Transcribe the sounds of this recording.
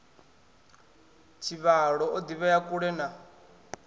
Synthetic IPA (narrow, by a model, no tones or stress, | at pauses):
t͡ʃʰiβaɺɔɔd̪iβɛjakʼuɺɛna